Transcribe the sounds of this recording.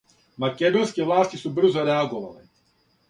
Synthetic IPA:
makɛd̪ɔskɛvlaːscisuːbr̩zɔɾɛaɡɔva̰lɛ̰ː

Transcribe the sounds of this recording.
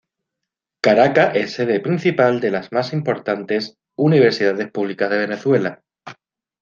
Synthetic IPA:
kaɾakaʔe̞sːe̞ðepɾin̟θipald̪e̞lazmasimpo̞ɾt̪ant̪e̞s | uniβ̞e̞ɾsiðaðe̞spuβ̞likazðee̞ne̞θwe̞la

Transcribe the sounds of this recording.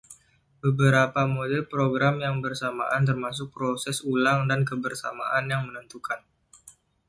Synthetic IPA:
bəbəɾapamodɛlpɾoɡɾamjaŋbərsama̰ʔant̪ərmas̬ʊk̚pɾosɛsulaŋdankəbərsa̰ma̰ʔanjaŋmənənt̪ukan

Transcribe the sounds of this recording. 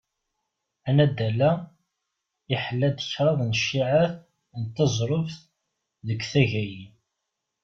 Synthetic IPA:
ænæd̪ælːæ | iħəlːæd̪əçɾˤɑðˤnəʃːiʕaθ | nt̪ːɑzˤɾˤofθ | ðəkʷːθæʝæji

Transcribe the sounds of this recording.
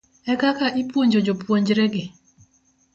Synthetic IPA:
ɛkakaʔipwoɲd͡ʒod͡ʒopwoɲd͡ʒɾɛɡɪ

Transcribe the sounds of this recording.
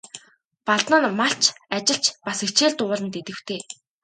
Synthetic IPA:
paɮt̪nə̆nmaɬt͡ɕʰat͡ɕɪ̆ɬt͡ɕpaset͡ɕeːɮt̪ʊɮə̆nt̪et̪ɘ̆w̥t̪ʰeː

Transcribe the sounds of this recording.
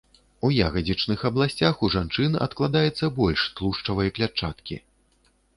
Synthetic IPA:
uja̰ɣɐd͡zʲit͡ʂnɨxɐblˠasʲt͡sʲaxuʐant͡ʂɨnɐ̰t̪klˠad̪ajɛt̪sːɐbɔlʲʂt̪lˠuʂt͡ʂɐvɐjɐklʲat͡ʂat̪kʲḭ

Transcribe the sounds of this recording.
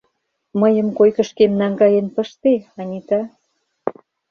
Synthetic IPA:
məjə̆mkojkə̆ʃkemnɑŋɡɑjenpəʃt̪eɑnʲit̪ɑ

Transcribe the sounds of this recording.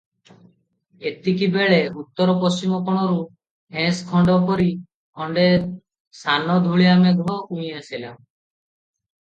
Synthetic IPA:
et̪ikibeɭeut̪ːɔɾɔpɔst͡ʃimɔkɔɽ̃ɔɾu | ɦẽskʰɔɳɖɔpɔɾi | kʰɔɳɖe | sanɔd̪ʱuɭiameɡʱɾɔkũĩj̃asila̰

